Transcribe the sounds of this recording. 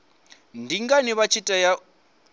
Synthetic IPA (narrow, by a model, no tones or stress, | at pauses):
ndʱiŋɡaniβat͡ʃʰitʼaja